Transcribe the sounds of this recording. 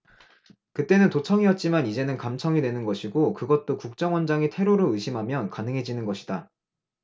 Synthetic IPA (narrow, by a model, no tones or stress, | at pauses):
kɯt͈e̞nɯntot͡ɕʰʌŋijʌt̚t͡ɕ͈imanid͡ʑe̞nɯnkamt͡ɕʰʌŋinwe̞nɯnɡʌɕʰiɡokɯɡʌt̚t͈okuk̚t͡ɕ͈ʌŋwʌnd͡ʑaŋitʰe̞ɾoɾoɯɕʰimɦamjʌnkanɯŋɦe̞d͡ʑinɯnɡʌɕʰida